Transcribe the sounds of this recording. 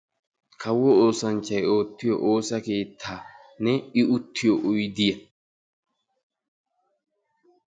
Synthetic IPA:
kʰɐwɔʔoːsɐnt͡ʃɐjoːt̪ːɪjɔ̰ʔoːsɐkeːt̪ʰːaːnɛɪʊt̪ʰːɪjoʔʊjd̪ɪjɐ

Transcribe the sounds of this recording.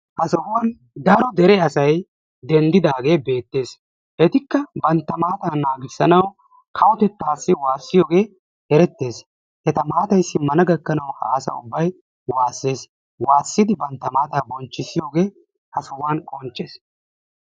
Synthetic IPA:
hɐsɔhwaːn | d̪ɐɾɔd̪ɛɾɛɐsɐj | d̪ɛnd̪ɪd̪aːɡe̞ːbe̞ːt̪ːe̞ːs | ʔɛt̪ɪkːɐbɐnt̪ːɐmaːt̪aːnːaːɡɪsːɐnɐw | kʰɐwɔt̪ɛt̪ːaːsːɪwaːsːɪjo̞ːɡe̞ː | ɛɾɛt̪ːe̞ːs | hɛt̪ɐmaːt̪ɐjsːɪmɐnɐɡɐkːɐnɐwhɐ̰ʔɐsɐ̰ʊ̰bːɐj | waːsːe̞ːs | waːsːɪd̪ɪbɐnt̪ːɐmaːt̪aːbɔnt͡ʃːɪsːɪjo̞ːɡe̞ː | hɐsɐwaːnkʼɔnt͡ʃʼːeːs

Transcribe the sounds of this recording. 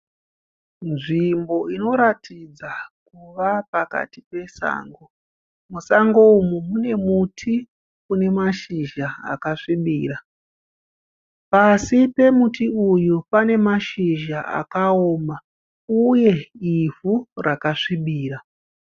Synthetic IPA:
nʐimbo̞ino̞ɾatid͡zakuʋapaka̰ti̥pe̞sa̰ːŋɡo | musaŋɡoumumune̞mutʰi | une̞maʃiʒaa̰kaʂiɓiːra | pasipe̞mutiujupane̞maʃiʒaʔa̰kaoːma | uje̞ivurakaʂiɓiːra

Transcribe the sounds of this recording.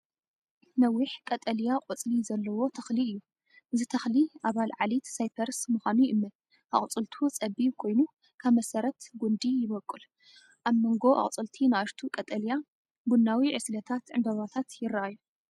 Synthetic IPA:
nɐwiħkʼɐt̪ʼɐljaqʼʊt͡sʼlizɐlːɐwo̞t̪ʰɐxliɨjːu | ʔɨzit̪ʰɐxliʔaβalʕalit̪sajpʰɐɾsmɨxʷanujɨmːɐ | ʔa̰χʼt͡sʼɨlt̪ʰut͡sʼɐbikʰo̞jnu | kʰaβmɐsɐɾɐt̪ɡund̪ijɪβɐkʼːɨl | ʔaβmoŋɡo̞ʔa̰χʼt͡sʼɨlt̪ʰinɨaʃt̪ʰukʼɐt̪ʼɐlija | bunːawiʕɨslɐt̪ʰat̪ʕɨnb̪ɐβat̪ʰat̪jɪrːɐʔajːu

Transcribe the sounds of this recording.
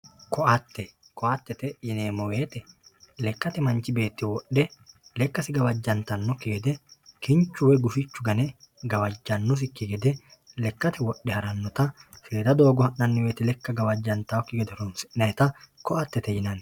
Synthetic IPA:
kɔʔɐt̪ːɛ | kɔʔɐt̪ːɛt̪ɛjɪneːmɔweːt̪ɛlɛkːɐt̪ɛmɐnt͡ʃːɪbe̞ːt̪ːɪwɔɗɛlɛkːɐsɪɡɐwɐd͡ʒːɐnt̪ɐnːɔkːɪɡɛd̪ɛkɪnt͡ʃːʊwɛɡʊfɪt͡ʃːʊɡɐnɛ | ɡɐwɐd͡ʒːɐnːɔs̬ɪkːɪɡɛd̪ɛ | lɛkːɐt̪ɛwɔɗːɛhɐɾɐnːɔt̪ɐfeːd̪ɐd̪o̞ːɡɔhɐʔnɐnːɪweːt̪ɛlɛkːɐɡɐwɐd͡ʒːɐnt̪ɐwɔkːɪɡɛd̪ɛɾɔnsɪnɐjt̪ɐkɔʔɐt̪ːɛt̪ɛjɪnɐn

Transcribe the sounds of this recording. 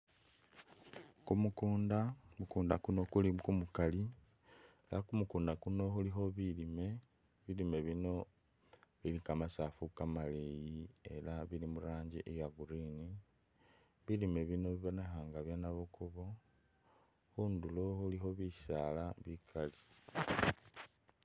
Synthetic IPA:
kumukuːndamukuːndakuno̞kulikumukali | elakumukuːndakuno̞xulixo̞βilime̞ | βilime̞βino̞ | βilikamasafukamalejie̞laβilimuɾaːɲɟiʔejaɡuɾini | βilime̞βino̞βiβonexaŋɡaβjanaβukuβo̞ | xundulo̞xulixo̞βisalaβikʰali

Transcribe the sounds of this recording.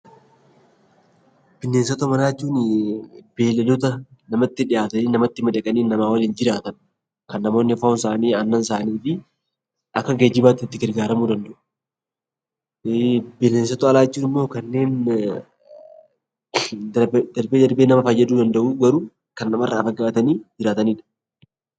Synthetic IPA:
b̥ɪnːe̞ːnsɐt̪ɔmɐnaːt͡ʃːuːnɪb̥e̞ːlɐlɔt̪ɐnɐmɐt̪ːɪᶑɪʔaːt̪ɐniːnɐmɐt̪ːɪmɐd̪ɐkʼɐniːnːɐmaːwɐliːnd͡ʒɪɾaːt̪ɐn | kɐnːɐmo̞ːnːɪfɐʊns̬aːniːɐnːɐns̬aːniːfɪ | ʔɐkːɐɡed͡ʒɪbaːt̪ːɪɪt̪ːɪɡɐɾɡaːɾɐmuːd̪ɐnd̪ɐʔu̥ | belːesɐt̪ɔɐlaːt͡ʃːuːnɪmːoːkɐnːe̞ːn | bd̪ɐɾbeːd̪ɐɾbeːnɐmɐfɐjːɐd̪uːd̪ɐnd̪ɐʔuːɡɐɾuː | kɐnːɐmɐrːʔaːfɐɡaːt̪ɐniːd͡ʒɪɾaːt̪ɐniːᶑɐ̥

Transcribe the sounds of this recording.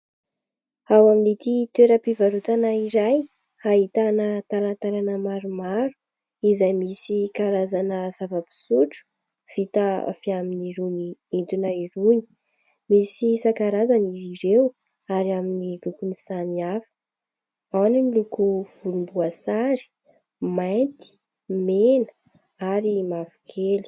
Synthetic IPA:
awaminit̪it̪eɾəpivaɾut̪anaiɾaj | haɦit̪anət̪alant̪aɾanəmaɾumaɾu̥ | izajmisikaɾazanəz̥avəpi̥suʈ͡ʂu̥ | v̥it̪a̰fiaminiɾuniint̪unaiɾuni̥ | misisakaɾazaniiɾew | aɾiaminiɾukunisaniafə̥ | awninilukuv̥ulumbuasaɾi̥ | majnt̪i̥ | menə̥ | aɾimavu̥kʰeli̥

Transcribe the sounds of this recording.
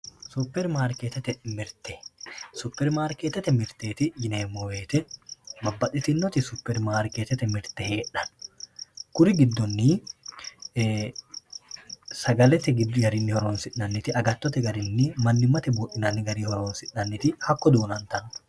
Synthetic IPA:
sʊpːɛɾmaːɾket̪ɛt̪ɛmɪɾt̪ɛsʊpːɛɾmaːɾkeːt̪ːɛt̪ɛmɪɾt̪eːt̪ɪjɪneːmːɔweːt̪ɛmɐbːɐtɪt̪ɪnːɔt̪ɪsʊpːɛɾmaːɾkeːt̪ːɛt̪ɛmɪɾt̪ɛheːᶑɐn | kʊɾɪɡɪd̪ːɔnːi | sɐɡɐlɛt̪ɛɡɪd̪ɡɐɾɪnːɪhɔɾoːnsɪʔːɐnːɪt̪ɪɐɡɐt̪ːɔt̪ɛɡɐɾɪnːɪmɐnːɪmɐt̪ɛbuːʔɪnɐnːɪɡɐɾiːhɔɾoːnsɪʔːɐnːɪt̪ɪhɐkːɔd̪uːnɐnt̪ɐn

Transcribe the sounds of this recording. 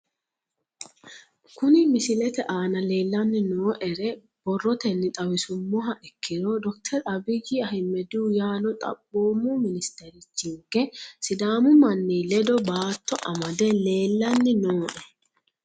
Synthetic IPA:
kʊnɪmɪsɪlɛt̪ɛʔaːnɐle̞ːlːɐnːɪnoːʔɛɾɛ | b̥ɔrːɔt̪ɛnːɪt̪ʼɐwɪsʊmːɔɦɐʔɛkːɪnɔd̪ɔk̚t̪ʰɛɾɐbɪd͡ʒiɐɦɪmːɛd̪uːjaːnɔt̪ʼɐ̰bːoːmumɪnɪst̪ɛɾɪt͡ʃːɪŋkːɛsɪd̪aːmʊmɐnːiːlɛd̪ɔbaːt̪ːɔʔɐmɐd̪ɛle̞ːlːɐnːɪnoːʔɛ

